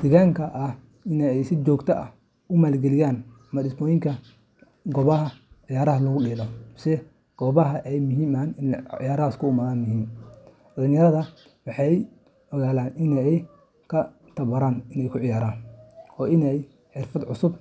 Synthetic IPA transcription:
d̪̥ɛɣaːŋkʰɐʔɐh | ɪnɛɛjsɪt͡ʃɔːɡt̪ʰɐʔɐ̰ | ʊmaːlɡɛlɪjaːn | mɐɖɪsmɔːjɪŋkʰɐ | ɡɔːβɐɦɐʕɪjaːɾɐɦɐlɐɣʊɗiːlɔsɛ | ɡ̥ɔːβɐɦɐʔɛjmʊɦiːmaːnɪnʕɪ̰jaːɾɐɐskʰʊʊmɐðaːnmʊɦiːm | ɖɐlɪnjɐɾɐðɐ | wɑħɑj | ʔɔɣaːlaːnɪnɛɛj | kʰɐ | t̪ʰɐβɐɾaːnɪnɛjkʰʊʕɪjaːɾaːnɔːɪnɛj | ħɪrfɐd̪ʕʊsʊb̚

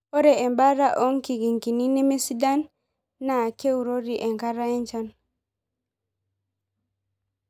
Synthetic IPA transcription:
pɔɾɛɛmbaɾaʔɔŋkiɡiŋkininimesidanː | akewɾoɾiʔɛŋkaɾaɛɲt͡ʃan

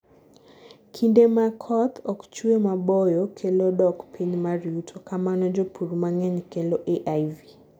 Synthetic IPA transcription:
kʰindemakʰɔt̪ʰɔkt͡ʃuemabɔjɔkʰɛlɔdɔkpʰiɲmaɾiutʰokamanɔd͡ʒopʰuɾumaŋɛɲkɛlɔʔeʔajvi

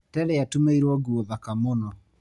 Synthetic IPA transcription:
tɛɾɛatumeiɾwɔɡuɔðakamonɔ

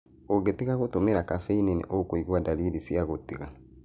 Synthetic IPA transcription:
oɡetiɣaɣotomeɾakafeinenḛʔokoiɣwadaɾiɾisiaɣotiɣa

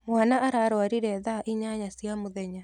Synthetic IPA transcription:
mwanaʔaɾaɾwaɾiɾɛðaʔiɲaɲasjamoðɛɲa

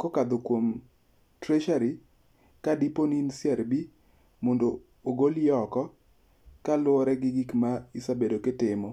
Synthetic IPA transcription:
kɔkad̪okwom | tɾɛʃaɾi | kadiponinsjɛɾbi | mondoː | ɡoljɔkɔ | kalwʊɔɾɛɡɪɡikmaisabedoketɪmɔ

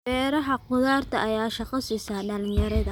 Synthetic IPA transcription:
bɛːɾɐɦɐqʊðaːrt̪ʰɐʔɐjaːʃɑqɑsisaːɖɐlɪjɐɾɐðɐ

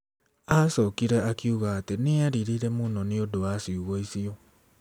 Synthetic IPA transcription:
asɔːkiɾɛakiuɣaːteneaɾiɾiɾemunɔneodowasiuɣoisiɔ

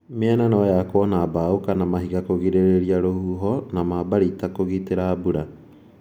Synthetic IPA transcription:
meɛnɛnɔjakwɔnabaokanamaɦiɣakoɣiɾeɾeɾiaɾohuɦɔnamabaɾitakoɣiteɾaːbuɾa

